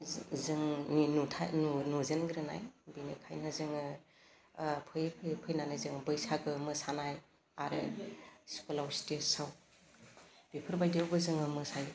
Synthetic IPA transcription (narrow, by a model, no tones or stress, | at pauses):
zɯŋnutʰa̰nunuzenɡɾɯna̰jbinikʰa̰jnɯzɯŋɯ | pʰɯjpʰɯpʰɯjnanɯzɯŋbɯjsaɡɯmɯsanaj | aɾɯ̰skulawstesaw | b̥ipʰɯɾbajdiawbɯzɯŋɯmɯsaj